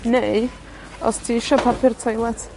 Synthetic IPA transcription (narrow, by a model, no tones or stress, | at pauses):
nej | ɔ̰stʰiɪʃɔpʰapʰɪrtʰɔjlˠɛtʰ